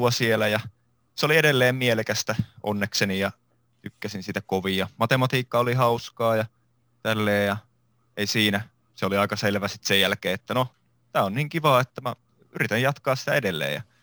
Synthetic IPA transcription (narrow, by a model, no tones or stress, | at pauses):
uɑsielæjɑ | seolieɾelːeːmmielekæst̪æʔo̰nːeksenijɑ | t̪ykːæsinsit̪ækoʋijɑmɑt̪emɑt̪iːkːɑolihɑuskɑːjɑ | t̪ælːeːjɑ | eisiːnæ | seoliɑikɑselʋæsi̥t̪sejjælkeːet̪ːæno | t̪æːonniːŋkiʋɑːet̪ːæmæ | yrit̪æjjɑt̪kɑːssi̥t̪æedelːḛːjɑ̰